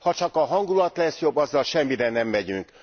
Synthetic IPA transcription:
hɒt͡ʃɒkɒɦɒŋɡulɒt̪lɛsjo̞bːɒzːɒlʃɛmːiɾɛnɛmːɛɟyŋk

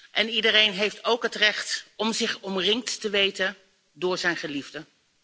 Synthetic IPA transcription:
ʔɛnidərejnɦejftowkɦətrɛχtɔmzɪχɔmrɪŋk̚tːəʋejtən | dʊːɹzɛjnχəlivdə

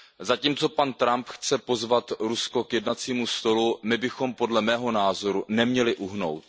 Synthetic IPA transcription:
zaciːmt͡so̞pant̪ɾampxt͡sɛpo̞zvat̪ɾusko̞kjɛdnat͡siːmust̪o̞lumɪbɪxo̞mpo̞dlɛmɛːɦo̞naːzo̞ɾunɛmɲɛlɪʔuɦno̞̰wt̪

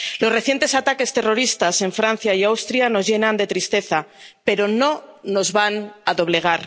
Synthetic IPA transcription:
lo̞zre̞θje̞nt̪e̞sat̪ake̞st̪e̞ro̞ɾist̪ase̞ɱfɾan̟θjaiawst̪ɾjano̞zʝe̞nãnd̪e̞t̪ɾist̪e̞θape̞ɾo̞no̞no̞zβanaðo̞βle̞ɣ̞aɾ

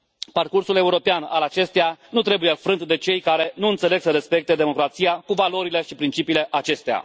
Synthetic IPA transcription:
parkursule̞uɾo̞peana̰lat͡ʃe̞st̪ejanut̪ɾe̞buje̞fɾɨnt̪d̪e̞t͡ʃe̞jkaɾe̞nuɨnt̪se̞le̞ɡsəɾe̞spe̞k̚t̪ed̪e̞mo̞kɾat̪sijakuvalo̞ɾile̞ʃipɾint͡ʃipiːle̞ʔat͡ʃe̞st̪ea̰

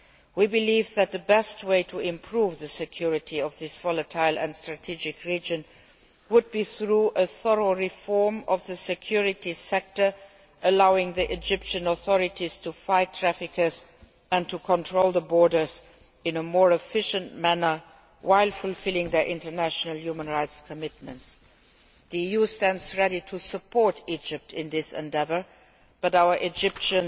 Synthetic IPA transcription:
wibɨlivðɨt̪̚ðəbɛst̚weɪtʰuɪ̃mpʰɹ̥uvðəsɨkʰj̥ʊɹɨtʰiʌvðɪsv̥ɔlˠətʰaɪlˠɨ̰̃nstɹ̥ɨtʰid͡ʒɪkʰɹid͡ʒɨ̃n | wʊd̚biθɹuʔəθəɹoʊɹɪfɔɹmʌvðəsɨkʰj̥ʊɹɨtisɛk̚tə˞ | ʔəlaʊɪ̃ŋðiʔɪd͡ʒɪpʃɨ̃nɔθɔɹɨtiz̥tʰufaɪtʰɹ̥æfɪkʰə˞z | ɨ̃ntʰukʰɔ̃ntʰɹoʊlˠðəbɔɹdə˞z | ɪ̃nəmɔɹɛfɪʃə̃ntmænə˞ | wʔaɪlˠfʊlfɪlɪ̃ŋðə˞ʔɪ̃ntə˞næʃənəl̩ˠjumə̃nɹaɪtskʰəmɪt̚mə̃nts | ðiijustæ̃ndzɹɛɾitʰusəpʰɔɹtʰid͡ʒɪp̚tʰɪ̃nðɪsɛ̰̃ndɛvə˞ | b̥ʌɾaʊə˞ʔɪd͡ʒɪpʃə̃n

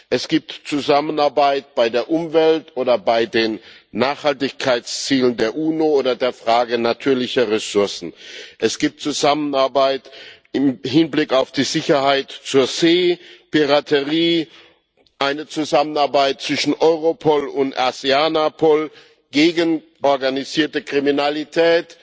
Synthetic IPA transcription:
ʔɛsɡ̥iːp̚tt͡suzamənaɐbaɪt̚b̥aɪdeːɐʔʊmvɛltʔoːdɐbaɪdeːnː | aːχhaltɪçkʰaɪt͡st͡siːləndeːɐʔuːnooːdɐdeːɐfʁ̥aːɡənatʰyːɐlɪçɐʁɛsʊɐsn̩ʔɛsɡ̥iːp̚tt͡suzamənaɐbaɪt | ɪmɦɪnblɪkaʊfd̥iːzɪçɐhaɪtt͡suːɐzeːpiʁatʰəʁiː | ʔaɪnət͡suzamənaɐbaɪt̚t͡sv̥ɪʃn̩ʔɔʏʁopʰɔlʊntʔa̰z̥eanapʰɔl | ɡ̥eːɡən | ʔɔɐɡaniziːɐtəkʁ̥iminalitʰɛːt

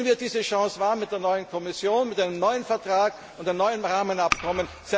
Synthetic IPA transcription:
nviːɐd̥iːzəʃɑ̃ːsvaːɐmɪt̚d̥eːɐnɔʏənkʰɔmɪsjoːnmɪtʔaɪnəmnɔʏənfɛɐtʁ̥aːk | ʔʊntd̥ɪːɐnɔʏənʁaːmənapkʰɔmən | z̥ɛ

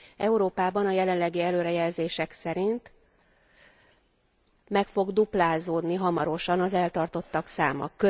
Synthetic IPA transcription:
ɛuɾoːpaːbɒnɒjɛlɛnlɛɡiɛløːɾɛjɛlzeːʃɛksɛɾint̪ | mɛkfo̞ɡd̪uplaːzoːd̪niɦɒmɒɾo̞ʃɒnɒzɛlt̪ɒrt̪o̞t̪ːɒksa̰ːmɒ̰kːø

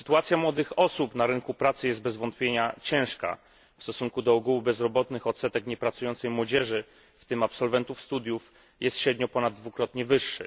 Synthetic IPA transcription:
sɘ̥t̪uat̪sʲjamwɔd̪ɘxɔsupnaɾɘŋkupɾat̪sɘjɛst̪̚bɛzvɔnt̪̚pʲjeɲat͡ɕɛ̃w̃ʂka̰ | fst̪ɔsuŋkud̪ɔɔɡuwubɛzɾɔbɔt̪nɘxɔt̪sɛt̪ɛkɲɛpɾat̪sujɔnt̪sɛjmwɔd͡ʑɛʐɘ | ft̪ɘmapsɔlvɛnt̪ufst̪ud̪juf | jʔɛst̪ɕɾɛd̪ɲɔpɔnad̪̚ːvukɾɔt̪ɲɛvɘʂːɘ̰

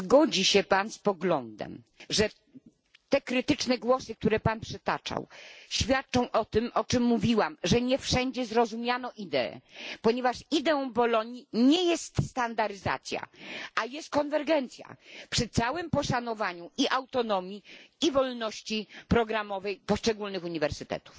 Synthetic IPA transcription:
ɡɔd͡ʑiɕɛpanspɔɡlɔnd̪ɛ̰m | ʐɛ | t̪ɛkɾɘt̪ɘt͡ʂnɛɡwɔsɘk̚t̪uɾɛpanpʂɛt̪a̰t͡ʂa̰wɕfʲjat̪̚t͡ʂɔ̃w̃ʔɔt̪ɘmʔɔt͡ʂɘmːuvʲiwamʐɛɲɛfʂɛɲd͡ʑɛzɾɔzumʲjanɔʔid̪ɛ̰ɛ̰pɔɲɛvaʂid̪ɛɔ̃w̃bɔlɔɲiɲɛjɛst̪st̪and̪aɾɘza̰t̪sʲja̰ʔajɛst̪̚kɔnvɛɾɡɛnt̪sʲja̰pʂɘt̪sawɘmpɔʂanɔvaɲuʔiʔawt̪ɔnɔmʲjiivɔlnɔɕt͡ɕipɾɔɡɾamɔvɛjpɔʂt͡ʂɛɡulnɘxuɲivɛɾsɘt̪ɛ̰t̪u̥f

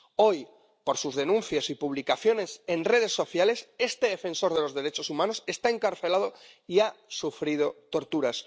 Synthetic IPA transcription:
o̞j | po̞ɾsuzðe̞nũnθjasipuβ̞likaθjo̞ne̞se̞nre̞ð̞e̞sːo̞θjale̞se̞st̪e̞ðe̞fe̞nso̞ɾð̞e̞lo̞zðe̞ɾe̞t͡ʃo̞sumãno̞se̞st̪ae̞ŋkaɾθe̞lað̞o | iasufɾið̞o̞t̪o̞ɾt̪uɾas

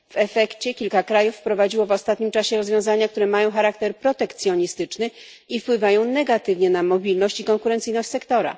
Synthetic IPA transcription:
v̥ɛfɛkt͡ɕɛkʲilkakɾajufːpɾɔvad͡ʑiwɔvɔst̪at̪̚ɲimt͡ʂaɕɛɾɔzvʲjɔ̃w̃zaɲak̚t̪uɾɛmajɔ̃w̃xaɾakt̪ɛɾpɾɔt̪ɛkt̪sʲjɔɲist̪ɘt͡ʂnɘ | ifpwɘvajɔ̃w̃nɛɡat̪ɘvɲɛnamɔbʲilnɔɕt͡ɕikɔŋkuɾɛnt̪sɘjnɔɕt͡ɕʲsɛkt̪ɔɾa̰

